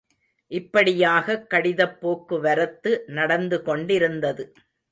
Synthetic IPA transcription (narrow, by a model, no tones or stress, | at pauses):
ʔɪpːɐɽɪjaːɣɐkːɐɽɪðɐpːoːkːɯʋɐɾɐt̪ːɯnɐɽɐnd̪ɯkɔɳɖɪɾɯnd̪ɐðɯ